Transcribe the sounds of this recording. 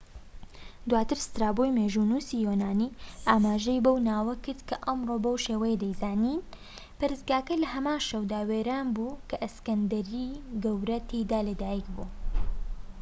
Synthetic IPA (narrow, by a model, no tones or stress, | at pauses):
d̪waːt̪ɨɾst̪ɾaːbojmeːʒunuːsiːjoːnaːniʔaːmaːʒɐjbɐwnaːwɐkɨɾd̪kʰɐʔɐmroːbɐwʃeːwɐjɛd̪ɐjzaːniːn | pɨɾɨsɡaːkɐlɐɦɐmaːnʃɐwd̪aːweːɾaːnbukʰɐʔɐskɐnd̪ɐɾiːɡɐwɾɐt̪ʰeːjd̪aːlɐd̪aːjikbuː